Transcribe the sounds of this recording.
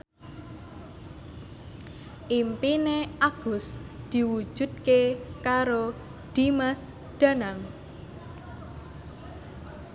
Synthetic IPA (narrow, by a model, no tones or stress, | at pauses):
ʔimpineaɡ̥ʊ̤sd̪̥i̤wu̥ʒ̥ṳd̪̚kekaɾo | d̪̥imas | d̪̥a̤naŋ